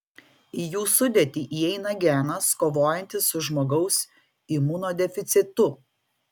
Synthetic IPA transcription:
ijuːsʊd̪ʲɛt̪ʲiːʔiɛɪnɐɡʲæːnɐskoːʋoːjɛnʲt̪ʲɪsːʊʒmoːɡɐʊs | imuːnoːd̪ʲɛfʲɪt̪sʲɪt̪ʊ

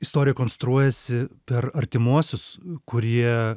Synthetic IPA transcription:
ɪst̪oːɾʲɪjɛkoːnst̪ɾuɔjɛsʲɪpʲɛɾɐɾʲt̪ʲɪmuɔsʲʊskʊɾʲiɛ

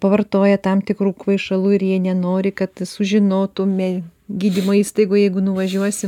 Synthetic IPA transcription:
pɐʋɐrt̪oːjɛt̪ɐmt̪ʲɪkɾuːkʋɐɪʃɐlˠuːɪrjiɛnʲɛnoːɾʲɪkɐt̪sʊʒʲɪnoːt̪umʲɛɡʲiːd̪ʲimoːiːst̪ɐɪɡoːjɛɪɡʊnʊʋɐʒʲuɔsʲɪm

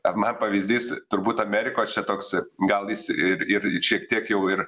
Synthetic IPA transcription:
ɐmɐnpɐʋʲizʲd̪ʲiːst̪ʊɾbuːt̪ɐmʲæːɾʲɪkoːst͡ʃʲɛt̪oːksɡɐlˠjɪsɪɾɪɾʃʲiɛkt̪ʲiɛkjɛʊɪɾ

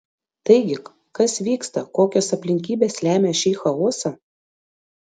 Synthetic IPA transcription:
t̪ɐɪɡʲɪ | kɐsʋʲiːkst̪ɐkoːkʲoːsɐpʲlʲɪŋʲkʲiːbʲeːslʲæːmʲeːʃʲiːxɐoːsɐ

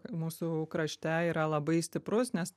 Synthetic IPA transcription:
muːsʊkɾɐʃʲt̪ʲæiːɾɐlˠɐbɐɪsʲt̪ʲɪpɾʊsnʲɛs

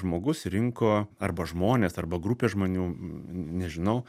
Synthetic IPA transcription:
ʒmoːɡʊsɾʲɪŋkoːɐrbɐʒmoːnʲeːsɐrbɐɡɾupʲeːʒmoːnʲuːnʲɛʒʲɪnɐʊ

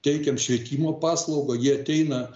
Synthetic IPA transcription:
t̪ʲɛɪkʲɛmʃʲʋʲiɛt̪ʲiːmoːpɑːslˠɐʊɡɐjiɛɐt̪ʲɛɪnɐ

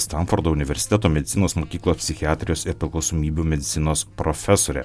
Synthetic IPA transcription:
st̪ɐnfɔɾd̪oːʊnʲɪʋʲɛɾʲsʲɪ̥t̪ʲɛt̪oːmʲɛd̪ʲɪt̪sʲɪnoːsmoːkʲiːklˠoːspʲsʲɪxʲɪaːt̪ʲɾʲɪjoːsɪɾpʲɾʲɪklˠɐʊsoːmʲiːbʲuːmʲɛd̪ʲɪt̪sʲɪnoːspɾofʲɛsoːɾʲɛ̰

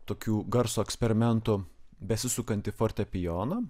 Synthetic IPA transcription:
t̪oːkʲuːɡɐɾsoːɛksʲpʲɛɾʲɪmʲɛnt̪ʊbʲɛsʲɪsʊkɐnʲt̪ʲɪfoːɾʲt̪ʲɛpʲɪjoːnɐ

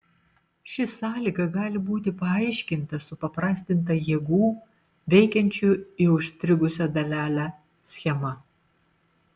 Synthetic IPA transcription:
ʃʲɪsɑːlʲiːɡɐɡɑːlʲɪbuːt̪ʲɪpɐɐɪʃʲkʲɪnt̪ɐsʊpɐpɾɑːsʲt̪ʲɪnt̪̬ɐjiɛːɡuː | ʋʲɛɪkʲɛnʲt͡ʃʲuɪʊʃʲst̪ʲɾʲɪɡʊsʲɛd̪ɐlʲæːlʲæ | sʲxʲɛmɐ

